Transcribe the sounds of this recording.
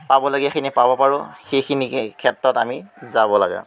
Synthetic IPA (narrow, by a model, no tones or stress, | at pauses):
pabɔlɔɡijaxʰinipabɔpaɹʊxejkʰinikʰɛtɹɔtamizabɔla̰ɡɛ̰